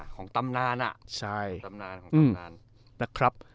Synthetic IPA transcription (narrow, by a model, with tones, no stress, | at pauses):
kʰɔː˩˦ŋt̪a˧mnaː˧nʔa̰˨˩ʔt͡ɕʰa˥˩ja˧mnaː˧nkʰɔː˩˦ʔɯː˧˩ma˧n | na˦˥kʰɾa˦˥p̚